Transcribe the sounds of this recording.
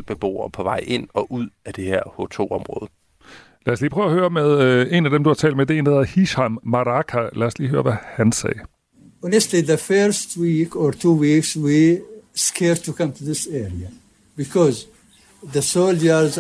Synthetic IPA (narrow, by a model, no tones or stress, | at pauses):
b̥eb̥o̝̰ːɐpʰɒ̽ʋɑ̈ɪ̰e̝n̰ɒ̽ʔuð̰ˠæd̥e̝heɐ̰hot͡sʰo̝̰ːɒmʁɔ̽ːð̞̩ˠ | læɐsliːpʰʁœːʊɐhøːɐmeð̞ˠe̝næd̥emd̥uhɑ̈t͡sʰɛ̰ld̥med̥eend̥æheð̩ˠhiɕɑmːɑʁɑkʰælæɐsliːhøːɐʋæhænsɛ̰ː | ɔnəstliðəfɜɾstwiːkɔɾtʰuːwiːkswiskʰɛɾtʰːukʌ̃mtʰuðɪsɛɹia | b̥ikʰɔz | ðəsold͡ʒəz